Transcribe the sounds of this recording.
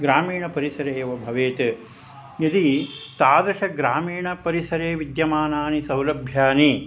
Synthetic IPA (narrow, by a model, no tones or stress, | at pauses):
ɡɾaːmiːɳɐpɐɾisɐɾeːʋɐbʱɐʋeːt̪ | jɐd̪it̪aːd̪ɾɐʂɐɡɾaːmiːɳɐpɐɾisɐɾeːʋid̪jɐmaːnaːnisɐwlɐbʱjaːni